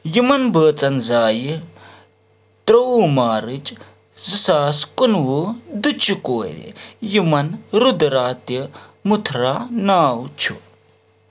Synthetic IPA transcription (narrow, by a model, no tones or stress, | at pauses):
jimɐnbəːt͡sɐnzaːji | t̪ɾɐwumaːɾɨt͡ʃ | zɐsaːskunwud̪ut͡ʃikoːɾḭjimɐnɾud̪ɾaːt̪imut̪ʰɾaːnaːwt͡ʃʰṵ